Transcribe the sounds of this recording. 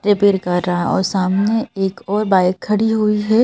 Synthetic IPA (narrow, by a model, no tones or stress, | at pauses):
ʈɾepeːɾkɐɾɾaɔ̰ːɾsaːmneeːkɔːɾbaːɪkʰːɐɽiɦuiɦɛː